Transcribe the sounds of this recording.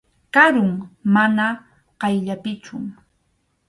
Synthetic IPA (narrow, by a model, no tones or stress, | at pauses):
kaɾʊŋmana | qɑjʎapɪt͡ʃʊ